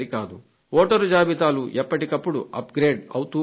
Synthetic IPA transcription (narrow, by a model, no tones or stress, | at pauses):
ɾikaːd̪u | oːʈɐɾud͡ʒaːbit̪aːluʔɛpːɐʈikɐpːuɽṵʔɐ̰pɡɾeːɖɐwt̪u